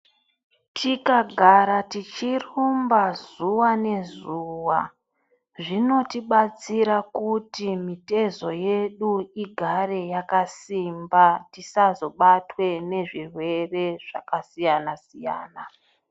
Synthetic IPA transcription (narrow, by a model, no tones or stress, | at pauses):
tʰikaɡʱaɾatit͡ʃirumbazuwane̞zuwa | ʐino̞tiɓat͡siɾakutimite̞zo̞jeɗuiɡʱare̞jakasimbatisazo̞ɓatwe̞ne̞ʐirwe̞re̞ʐ̥a̰kasijanasija̰ːna